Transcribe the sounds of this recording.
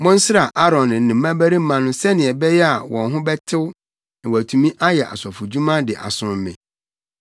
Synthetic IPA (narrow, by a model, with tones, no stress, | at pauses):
mɔ̃˦n̩˦sɪ˦ɾa˨ʔa˦ɾɔ̃˨nɪ̃˨nɪ̃˨m̩˦mã˦bæ˦ɾi˦m̩˦mã˨nʊ̃˦sɛ˦nɪ̃˨ɛ˨bɛ˦jɛ˦a˨wɔ̃˨nɦʊ̃˦bɛ˦tʰɪ˦wʊ˦ | nɪ̃˨wæ˨tʰũ˨mĩ˦ʔa˦jɛ˨ʔa̰˨sɔ˨fʊ˨d͡ʑu˦mã˦dɪ˨ʔa̰˨sʊ̃˨mɪ̰̃˨